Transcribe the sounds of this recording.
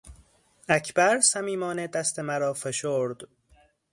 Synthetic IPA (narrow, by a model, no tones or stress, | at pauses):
æcʰbæɾsæmiːmɒːned̪æst̪ʰemæɾɒːfeʃoːɾd̪̥